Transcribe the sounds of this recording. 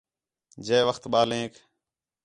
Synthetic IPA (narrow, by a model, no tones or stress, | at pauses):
d͡ʒeːʋəxt̪ɓaːlẽːk